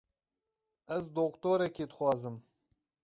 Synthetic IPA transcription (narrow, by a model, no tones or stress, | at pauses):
ɛzd̪oːkt̪oːɾɛkeːd̪ɨxwɑːzɨm